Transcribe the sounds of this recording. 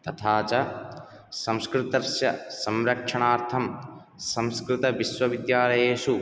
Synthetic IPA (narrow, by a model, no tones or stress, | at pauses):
t̪ɐt̪ʰaːt͡ʃɐ | sɐ̃mskɾɪt̪ɐɾsjɐsɐmɾɐkʂɐɳaːɾt̪ʰɐm | sɐ̃mskɾɪt̪ɐʋisʋɐʋid̪jaːlɐjeːʃu